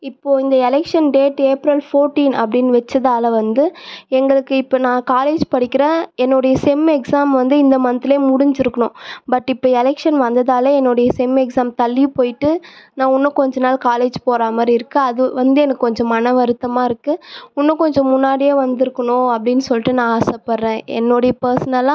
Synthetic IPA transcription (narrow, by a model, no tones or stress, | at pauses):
ɪpːoːɪnd̪ɐɛlɛkʂɐnɖeːʈːeːpɾɐlfoːɾʈːiːnɐpːɐɽɪnːʋɛt͡ʃːɐðaːlɐʋɐnd̪ɯɛŋɡɐɭɯkːɯɪpːoːnãːkaːleːd͡ʒpɐɽɪkʲːɪɾẽːɛnːoɽɐjɐsɛmɛksaːmʋɐnd̪ɯɪnd̪ɐmɐnɐt̪ːɪleːmʊɽʊɲd͡ʒɪɾɯkːɐɳʊ̃bɐʈːɪpːoːɛlɛkʂɐnʋɐnd̪ɐðaːlɐɛnːoɽɐjɐsɛmɛksaːmt̪ɐlːipoːjɪʈːɯnãːʊnːɐkɔɲd͡ʒɔnaːlkaːleːd͡ʒpoːɾaːmaːɾɪɾɯkːɯɐðɯʋɐnd̪ɯɛnɐkːɯkːɔɲd͡ʒɔ̃mɐnɐʋɐɾɯt̪ːɐmaːɪɾɯkːɯʊnːɐ̃kɔɲd͡ʒɔ̃mʊnːaːɽɪjeːʋɐnd̪ɪɾɯkːɐɳõːɐpːɐɽɪnːɯsɔlːɪʈːɯnãːaːsɐpɐɾɾẽːɛ̰nːoːɽɐjɐpɐɾsɐnɐlːãː